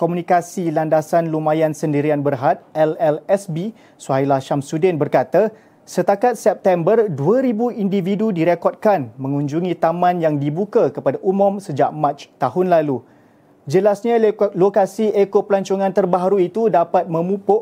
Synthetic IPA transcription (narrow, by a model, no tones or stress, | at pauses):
komunĩkasilandasanlumãjansəndiɾianbərɦat̪̚ɛlɛlɛsbi | suaɦijlahʃamsudɛnbərkat̪a | sət̪akat̪̚sɛp̚t̪ɛmbərduəɾibuindividudiɾekɔd̚kanmə̃ŋũɲd͡ʒuŋĩt̪amãnjaŋdibukakəpadaʔumʊ̃msəd͡ʒaʔmãt͡ʃt̪aɦʊnlalu | d͡ʒəlasɲalokasiekopəlaɲt͡ʃoŋãnt̪ərbaɦaɾuit̪udapat̪̚mə̃mũpʊʔ